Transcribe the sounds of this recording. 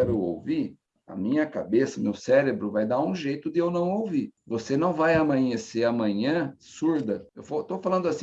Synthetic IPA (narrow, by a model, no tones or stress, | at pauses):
ɛɾʊo̰wviɾ | ɐ̰mĩɲɐkabesɐmewsɛɾebɾʊvajd̪aũʒejt̪ʊd̪ɪewnɐ̃w̃owviɾvosenɐ̃w̃vajɐmɐ̃ɲeseɐmɐ̃ɲɐ̃ | suɾd̪ɐewfot̪ofalɐ̃nd̪ʊasĩ